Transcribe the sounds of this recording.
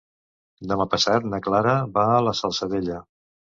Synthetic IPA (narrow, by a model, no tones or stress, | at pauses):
d̪əmapəsat̪nəklaɾəbaələsəlˠsəðeʎə